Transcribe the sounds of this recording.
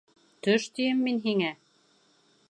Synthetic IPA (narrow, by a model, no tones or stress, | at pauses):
t̪ɵʃt̪ijɘmːinɦiŋæ